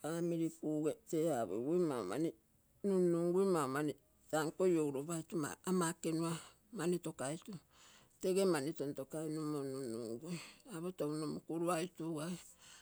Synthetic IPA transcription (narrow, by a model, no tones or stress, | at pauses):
amiɾikuɡeteaβo̰wujma̰o̰ma̰ni | nuuŋɡujmaomani | taŋkojowɾoβajtuma̰amakenua | manitokajtu | teɡemanitontokajnumonunːṵŋɡuaβotounomukuɾuajtuɡae